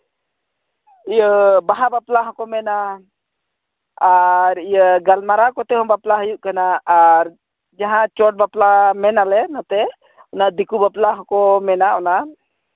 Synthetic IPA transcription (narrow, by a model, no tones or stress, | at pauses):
ijəbaɦabaplaɦɔ̃kɔmɛna | ɾijəɡalmaɾakɔt̪ɛɦɔ̃baplaɦəjuʔkanaːɾ | d͡ʒaɦãt͡ʃɔʈ̚baplamɛnalɛnat̪ɛ | ɔnaʔd̪ikubaplaɦɔ̃kɔmɛnaɔna